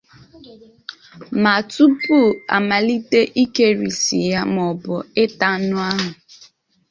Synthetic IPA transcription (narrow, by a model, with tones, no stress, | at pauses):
ma˨tu˦pu˦˨a̰˨ma˨li˦te˦ʔi˦ke˦ɾḭ˨sḭ˨ja˦m˨ɔ˨bʊ˨ɪ˦ta˦nʊ˦a˦ɦʊ˨